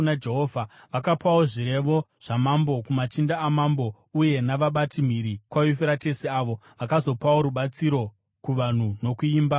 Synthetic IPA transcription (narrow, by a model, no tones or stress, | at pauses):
nad͡ʒeɦovʱa | ʋakapawo̞ʐiɾe̞ʋo̞ | ʐ̥amambo̞kumatindaːmambo̞ | uje̞naʋaɓatim̤iɾikwajufeɾate̞seaːʋo̞ʋakazo̞pawo̞ɾuɓat͡siɾo̞ | kuʋan̤uno̞kuiːmba